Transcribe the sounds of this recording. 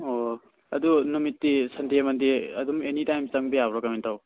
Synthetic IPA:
o | ɐdunumitːisɐndiemɐndiɐ̰dumenitajmt͡ʃɐŋbejabɾɔkɐmentaw

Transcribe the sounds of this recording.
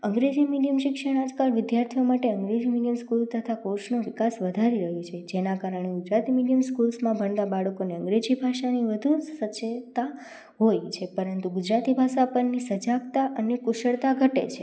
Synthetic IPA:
əŋɡɾed͡ʒimiɖijəmʃɪkʃəɽ̃ad͡ʒkalʋɪd̪jaɾt̪ʰijomaʈeəŋɡɾed͡ʒimiɖijəmskult̪ət̪ʰakoʃnoʋɪkasʋəd̪ʱaɾiɾəɦjũt͡ʃʰed͡ʒenakaɾəɳ̃eɡʊd͡ʒɾat̪imiɖijəmskulsmãbʱəɳd̪abaɭəkoneəŋɡɾed͡ʒibʱaʃaniʋəd̪ʱusət͡ʃːet̪a | ɦojt͡ʃʰepəɾənt̪uɡʊd͡ʒɾat̪ibʱaʃapənːisəd͡ʒaɡt̪aʔənekʊʃəɭt̪aɡʱəʈḛt͡ʃʰe

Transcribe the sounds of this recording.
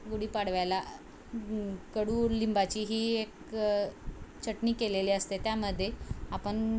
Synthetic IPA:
ɡuɽiːpaɽʋajla | kəɽuːlimbat͡ɕiːɦiːek | t͡ɕʰəʈniːkeleliːəst̪et̪jaməd̪ʱːjeapəɳ

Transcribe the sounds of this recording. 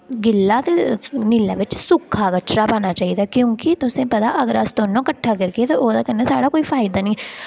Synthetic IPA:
ɡɪlːaːt̪enɪlːa̰ːʋɪt͡ʃsʊkʰːaːkət͡ʃɾaːpaːɽ̃aːt͡ʃaːiːd̪aːkjõːkɪt̪ʊsẽːpət̪aːʔəɡəɾəst̪oːnõːkəʈʰːaːkəɾkeeːt̪aʔoːd̪aːkənːesaːɽaːkoːiːfʰaːɪd̪aːnĩː

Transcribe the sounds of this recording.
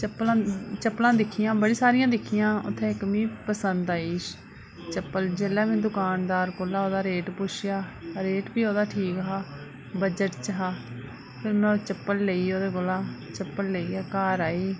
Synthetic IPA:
t͡ʃəpːlãːt͡ʃəpːlãːd̪ɪkʰɪjãːbəɽiːsaːɾɪjãːd̪ɪkʰɪjãːʊ̰t̪ʰːɛ̃ːɪkmĩːpəsənd̪aːiːʃ | t͡ʃəpːəld͡ʒeːlaːmẽːd̪ʊkaːnd̪aːɾkoːlaːoːd̪aːɾeːʈpʊʃʰɪjaːɾeːʈbiːoːd̪aːʈʰiːkɦaː | bəd͡ʒəʈt͡ʃɦaː | pʰɪɾmɛ̃ːt͡ʃəpːəlleiːoːd̪eːkʊlaːt͡ʃəpːəlleiːaːkaːɾaːiː

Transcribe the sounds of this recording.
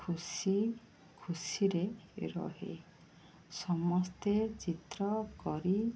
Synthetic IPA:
kʰusi | kʰusiɾeɾɔ̰ɦḛ | sɔmɔst̪et͡ʃit̪ɾɔkɔɾi

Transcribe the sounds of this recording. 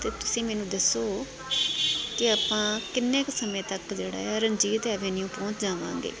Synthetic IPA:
t̪eːt̪ʊsĩːmɛːnũːd̪əsoː | kɪaːpãːkɪnːẽːksəmẽːt̪əkd͡ʒeːɽa̰ːɾənd͡ʒiːɾt̪eaːʋẽːnijũːpɔ̃ːt͡ʃd͡ʒaːʋã̰ːŋɡḛː

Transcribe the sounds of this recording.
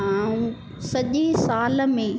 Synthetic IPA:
aːũ | sɐʄesaːl̆mẽ

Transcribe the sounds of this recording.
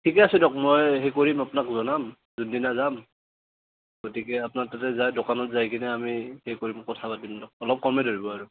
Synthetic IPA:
tʰikɛasidɔk̚mojɦejkoɹimapnakzɔnam | zundinazam | ɡ̥otikɛapʊnatatɛzajdokanɔtzajkinɛamihejkoɹimkɔtʰapatimdɔk̚ɔlɔp̚kɔmɛdoɹibɔaɹu

